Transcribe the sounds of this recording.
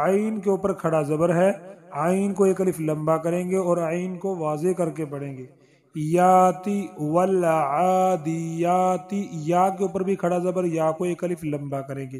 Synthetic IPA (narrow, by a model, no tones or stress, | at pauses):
aːiːnkeuːpəɾkʰɐɽazɐbəɾɦɛaːinkoeːkɐlɪflɐ̃mbakɐɾẽːɡeɔːɾaːiːnkoʋaːzekɐɾkepɐɽ̃ẽːɡeː | jaːt̪iwɐlaːd̪ɪjaːt̪ijaːkeuːpəɾbʱikʰɐɽazɐbəɾjaːkoeːkɐlɪfʰlɐ̃mbakɐɾẽːŋɡeː